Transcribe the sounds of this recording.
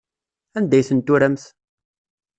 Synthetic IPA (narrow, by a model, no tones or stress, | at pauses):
ænd̪æjθənt̪ːuɾæmθ